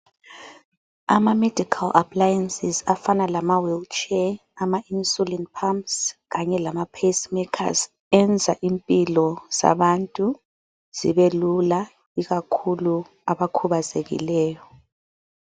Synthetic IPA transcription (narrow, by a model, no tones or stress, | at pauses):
a̰mamedʱikʰalʔa̰pʰlajɛnsizafanalamawɛlt͡ʃʰɛ | amainsulɛntpʰampsɣaɲɛlamapʰesmɛkʰa̰z | ɛnd͡zʱa̰ʔimpʼilɔz̥a̰βantʼu | z̥ḭβelula | iɣakʰulu | aβakʰuβazeɣḭlɛːjɔ